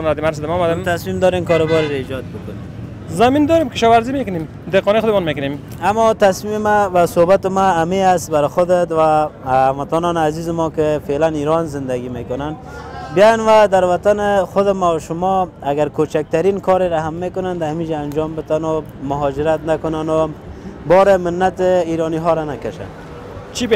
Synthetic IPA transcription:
nad̪imaɾs̬d̪ɪmɔmad̪ɪmt̪asmimd̪ɔɾemkɔɾobɔɾeɾaid͡ʒɔt̪̚bʊkʊne | zamind̪ɔɾemkɪʃɔwaɾzimekʊnem | d̪eqɔnexʊd̪ɪmɔnmekʊnem | amːɔt̪asmimɪmabasobat̪ɪmaameast̪baɾɪxʊd̪et̪wamat̪ɔnɔnazizɪmɔkɪfelaniɾɔnzɪnd̪aɡimekʊnan | bjɔjanwad̪aɾwat̪anɪxʊd̪ɪmaʃʊmɔaɡaɾkot͡ʃak̚t̪aɾinkʰɔɾeɾaɦamːekʊnand̪ahamid͡ʒaːnd͡ʒɔmbɪt̪anʊ | mʊɦɔd͡ʒɪɾat̪nakʊnanʊbɔɾemɪnːat̪ɪiɾɔniɦɔɾanakaʃa̰n | t͡ʃʰib

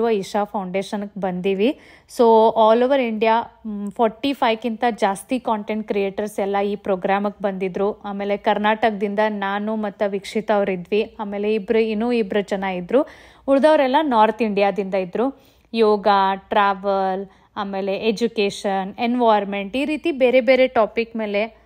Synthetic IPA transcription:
ʋɐiʂapʰɐwɳɖe̞ːʃɐnkːbɐnd̪iːʋi | soːaːloːʋɐɾiɳɖijaːpʰɔːɾʈːipʰɐjkint̪ɐd͡ʒaːst̪ikaːɳʈeɳʈ̚kɾije̞ːʈɐɾsɛlːɐiːpɾoːɡɾaːmɐk̚ːbɐnd̪id̪ɾuaːme̞ːle̞kɐɾnaːʈɐkd̪ind̪ɐnaːnumɐt̪ːuʋikʂit̪ɐɐʋɾid̪ʋiaːme̞ːle̞ibɾuinːuːibɾɐt͡ʃɐnːaːɡid̪ɾu | uɾd̪ɐʋɾɛlːɐnaːɾt̪ʰiɳɖijaːd̪ind̪ɐid̪ɾu | jɔːɡaʈɾaːʋɐl | aːme̞ːle̞ʔed͡ʒukeːʂɐnenʋaːjɾme̞ɳʈiːɾiːt̪ibe̞ːɾe̞be̞ːɾe̞ʈaːpikme̞ːle̞

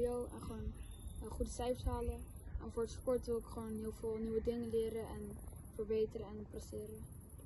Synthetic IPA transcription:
owɛ̰nχəʋonχudəsɛɥfsɦaːlə | ɛnvʊːɹətspɔɹtʋɪlˠɪkχʋownɦɪːlˠvɪːlˠnywədɪŋəlɪːɾəʔɛn | fəɹbejtərəɛnprəstɪːɾə

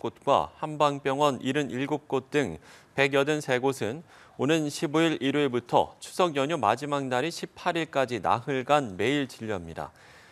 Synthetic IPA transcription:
k͈ot̚kwa̰hambaŋp͈jʌŋwʌniɾɯniɭɡop̚k͈ot̚t͈ɯŋpe̞ɡjʌdɯnsʰe̞ɡosʰɯn | onɯnɕʰibuiɾiɾuebutʰʌ̰t͡ɕʰu̥sʰʌɡjʌɲumad͡ʑimaŋnaɾiɕʰipʰaɾiɭk͈ad͡ʑina̰ɦɯɭɡanme̞iɭt͡ɕiʎːiɦamɲida̰

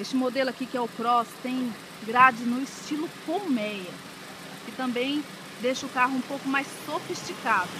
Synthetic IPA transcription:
est͡ʃɪmod̪elʊakikɪɛʊpɾɔst̪ẽj̃ | ɡɾad͡ʒɪnʊist͡ʃilʊkomɛjɐ | kɪt̪ɐ̃mbẽj̃ | d̪ejʃɐʊkaɦʊũpowkʊmajsːofist͡ʃikad̪ʊ

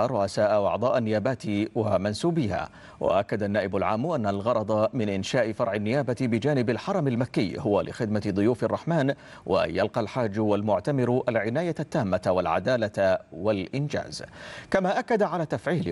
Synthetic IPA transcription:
ɾˤʊʔasaːʔwɑ̰ʕd̪ˤɑːʔanːɪjaːbaːt̪wamansuːbɪha̰ː | wʔa̰ʔakːad̪anːaːʔɪbʊlʕaːmːʔanːalɣɑɾˤɑd̪ˤɑmɪnʔɪnʃaːʔɪfɑɾˤʕɪnːɪjaːbabɪd͡ʒaːnɪbalħɑɾˤɑmalmakːɪjːhʊwalɪ̰xɪd̪mad̪ˤʊjuːfɑrˤːɑħmaːn | wʔa̰jalqɑlħaːd͡ʒːwalmʊʕt̪amɪɾʔalʕɪnaːjat̪ːaːmːawalʕa̰d̪aːlawalʔɪnd͡ʒa̰ːzkamaːʔakːad̪aʕalaːt̪afʕiːl

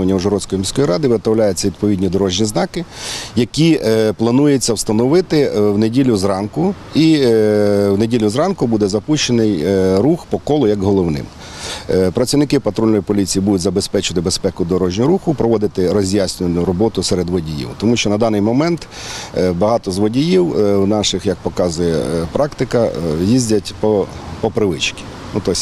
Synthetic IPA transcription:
ʋɐnʲːɐuʒɔɾɔt͡sʲsʲkɔjimʲisʲkɔjɾɑd̪ɪʋɪd̪̚t̪ɐwlʲajʊt͡sʲːɐʋʲid̪̚pɔʋʲidʲnʲid̪ɔɾɔʒnʲiznɑkɪjɐkʲiplˠɐnujet͡sʲːɐwst̪ɐnɔʋɪt̪ɪwnedʲilʲːʊzrɑnkʊ | i | wnedʲilʲʊzɾɑnkʊbud̪ɛzɐpuʃt͡ʃenɪjɾuxpɔkɔlˠɔjɐkɦɔlˠɔwnɪ̰m | pɾɐt͡sʲiwnɪkɪpɐt̪ɾɔlʲnɔjpɔlʲit͡sʲijibud̪ʊtʲzɐbespɛt͡ʃɪɐt̪ɪbespɛkʊd̪ɔɾɔʒnʲʊɾuxʊpɾɔʋɔd̪ɪt̪ɪɾɔzʲjasʲnʲɪnʊɾɔbɔt̪ʊsɛɾed̪ʋɔdʲijḭwt̪ɔmuʃt͡ʃɔnɐd̪ɑnɪjmɔmɛnt̪ | bɐɦɑt̪ɔzʋɔdʲijiwwnɑʃɪxjɐk̚pɔkɑzʊjɛ̰pɾʔɑkt̪ɪkɐjizʲdʲɐtʲpɔpɔpɾɪʋɪt͡ʃkʲi̥ | nut̪ɔsʲ

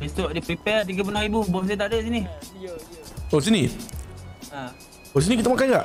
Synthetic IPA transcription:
besoʔdipɾipɛt̪iɡəp̬ənoibubos̬et̪aʔdəʔsini | os̬ini | a | os̬inik̬it̪amakajkaʔ

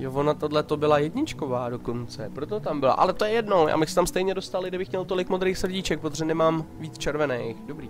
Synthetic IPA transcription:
jovo̞nat̪odlɛt̪o̞bɪlajɛdɲɪt͡ʃko̞vaːdo̞ko̞nt͡sɛpɾot̪o̞t̪ambɪla̰ʔa̰lɛt̪o̞jɛjɛdno̞ja̰ːbɪxsɛ̥t̪amst̪ɛjɲɛdost̪alɪɡdɪbɪxmɲɛlt̪o̞lɪkmo̞d̪ɾeːxsr̩ɟɪt͡ʃɛk̚pɾot̪oʒɛnɛmaːmviːt͡st͡ʃɛɾvɛnɛjxdobɾiː

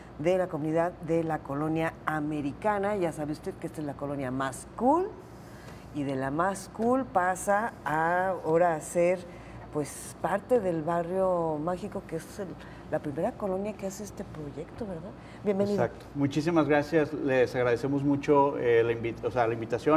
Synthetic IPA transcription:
d̪e̞lakomũniðaððe̞lako̞lo̞njaːme̞ɾikanaʝasaβeust̪e̞ðkeest̪aezlako̞lo̞njamaskul | iðe̞lamaskulpasaː | oɾase̞ɾ | pwe̞s | paɾt̪e̞ðe̞lβarjo̞maxiko̞keeselː | apɾime̞ɾako̞lo̞njakeaseest̪e̞pɾo̞ʝe̞kt̪o̞βe̞ɾðað | bje̞mbeniðk̚t̪o̥mut͡ʃis̬imazɣɾasjaslesaɣɾaðe̞semozmut͡ʃoelaimbiosealaimbit̪asjo

